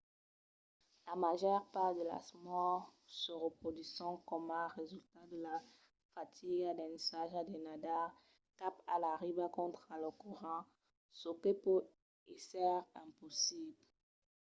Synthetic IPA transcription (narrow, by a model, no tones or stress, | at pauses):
lamaʒœʁpaʁd̪əla̰smɔʁsəʁəpχɔd̪ɥisɑ̃kɔmɛ̃ʁezylt̪ad̪əla | fat̪ʰiɡad̪ɛ̃nesaʒad̪ɛnad̪a | kapalaʁibakɔ̃t̪χaləkɔʁɑ̃ | sokepo | esɛʁɛ̃pɔsibl